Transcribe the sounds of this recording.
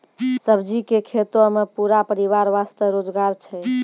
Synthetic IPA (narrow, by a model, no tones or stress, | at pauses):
səbd͡ʒikekʰet̪omepuɾapəɾiʋaɾʋast̪əɾod͡ʒɡaɾt͡ʃʰɛ